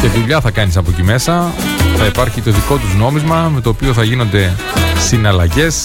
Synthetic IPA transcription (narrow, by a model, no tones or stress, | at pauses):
ceðuʎɐθɐkɐnis̬ɐpo̞cime̞sɐθɐipɐɾçit̪o̞ðiko̞t̪uzno̞mizmɐme̞t̪o̞ːpio̞θɐʝino̞nd̪e̞ | sinɐlɐʝe̞s